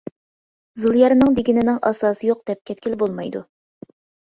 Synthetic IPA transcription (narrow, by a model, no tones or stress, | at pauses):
zulˠjɑɾnɨŋd̪eɡʲinɪnɪŋɑsɑːsɨjoq̚d̪̥ɛp̚kʲʰɛt̪̚kʲilbolˠmɑjd̪ṵ